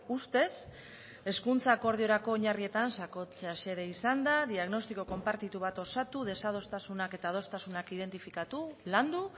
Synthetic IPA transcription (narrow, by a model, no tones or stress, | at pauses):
ust̪e̞s | e̞skunt͡sako̞ɾðio̞ɾako̞ːɲarie̞t̪ansako̞t͡se̞ase̞ɾe̞isand̪aðiaɣno̞st̪iko̞ko̞mpaɾt̪it̪uβ̞at̪o̞sat̪uðe̞sað̞o̞st̪asunake̞t̪aːð̞o̞st̪asunakið̞e̞nt̪ifikat̪uland̪u